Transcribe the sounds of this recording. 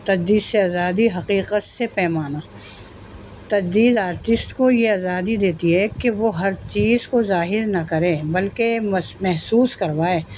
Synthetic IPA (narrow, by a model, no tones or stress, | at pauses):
t̪ɐd͡ʒd̪iːd̪seaːzaːd̪iɦɐqiːqət̪sepɛːmaːnaː | t̪ɐd͡ʒd̪iːd̪aːɾt̪ɪsʈkojeaːzaːd̪id̪eːt̪iɦɛkeʋoɦɐɾt͡ʃiːzkozaːɦɪɾnɐkɐɾẽːbɐlkemmɛɦsuːskɐɾʋaːeː